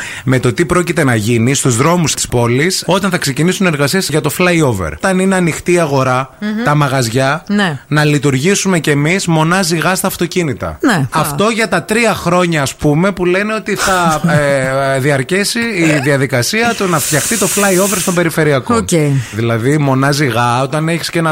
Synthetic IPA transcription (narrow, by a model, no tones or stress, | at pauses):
me̞t̪o̞t̪ipɾo̞cit̪e̞nɐʝinist̪uzðɾo̞must̪i̥spo̞liso̞t̪ɐnθɐkse̞cinisune̞ɾɣɐsiɐsʝɐt̪o̞flɐjo̞vḛɾt̪ɐnine̞ɐnixt̪iːɐɣo̞ɾɐt̪ɐmɐɣɐzʝɐnenɐlit̪uɾʝisume̞ce̞mizmo̞nɐziɣɐst̪ɐːft̪o̞cinit̪ɐ̰neɐft̪o̞ʝɐt̪ɐt̪ɾiɐxɾo̞ɲɐːspume̞pule̞neo̞t̪iθɐ | ðiɐɾcesiːðiɐðikɐsiɐt̪unɐft̪çɐxt̪it̪o̞flɐio̞veɾst̪ombe̞ɾife̞ɾiɐkoeðilɐðimo̞nɐziɣɐo̞t̪ɐne̞çi̥scenɐ